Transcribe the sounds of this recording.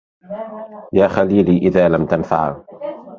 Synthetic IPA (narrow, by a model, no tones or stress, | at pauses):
jaːxaliːliːʔɪðaːlamt̪anfa̰ʕ